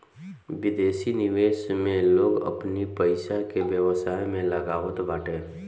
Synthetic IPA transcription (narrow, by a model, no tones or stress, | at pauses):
ʋɪd̪eːsinɪʋeːʃmẽloːɡə̰pnipəɪʃakebjəʋsaːemẽləɡaːʋət̪ʋaːʈẽː